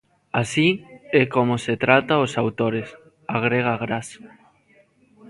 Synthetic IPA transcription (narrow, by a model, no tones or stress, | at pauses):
asiɛkomoset̪ɾat̪aosawt̪oɾes | aɣ̞ɾeɣ̞aɣɾas